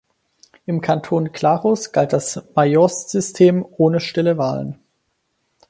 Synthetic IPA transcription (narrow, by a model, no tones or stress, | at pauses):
ʔɪmkʰantʰoːnkʰl̥aːʁʊsɡ̥alt̚d̥asmajɔsz̥ʏstʰeːmʔoːnəʃtɪləvaːlə̰n